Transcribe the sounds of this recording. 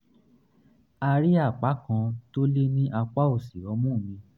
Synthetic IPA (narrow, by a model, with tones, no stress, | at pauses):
a˧ɾi˦a˦˨k͡pa˨˦kã˧to˦le˦nĩ˦ʔa˧k͡pa˦o˦˨si˨ɾɔ˨˦mũ˦˨mĩ˧